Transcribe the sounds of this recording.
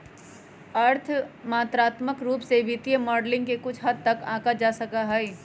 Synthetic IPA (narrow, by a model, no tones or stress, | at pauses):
ɐɾt̪ʰmaːt̪ɾaːt̪məkɾuːpsebʱɪt̪ijəmɔːɖlɪ̃ŋɡkekʊt͡ʃʰɦɐd̪̚t̪ɐkãːkad͡ʒaːsɐkaɦɛi